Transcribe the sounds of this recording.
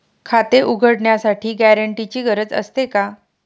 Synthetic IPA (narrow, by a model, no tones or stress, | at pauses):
kʰat̪eʔuɡʱəɽɳjasaʈʰiːɡæɾəɳʈit͡ɕiːɡəɾəd͡zə̰st̪eka